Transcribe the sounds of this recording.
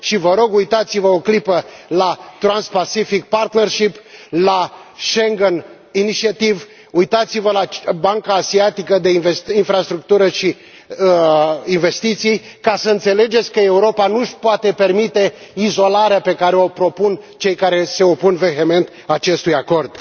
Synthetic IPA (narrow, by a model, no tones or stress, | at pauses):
ʃivəɾo̞ɡujt̪at̪sivəoklipəlat̪ɾanspasifik̚part̪nerʃiplaʃeŋɡən | init͡ʃiat̪iv | ujt̪at̪sivəlabaŋkaːsiat̪ikəd̪e̞invesinfɾast̪ɾuk̚t̪uɾəʃi | əinve̞st̪it̪sij | kasəɨnt̪se̞le̞d͡ʒet̪sʲkəe̞uɾo̞panuʃpoat̪e̞pe̞rmit̪e̞izo̞laɾeape̞kaɾe̞o̞pɾo̞punt͡ʃe̞jkaɾe̞se̞o̞punve̞ɦeme̞nt̪ | at͡ʃe̞st̪ujako̞rd̪̥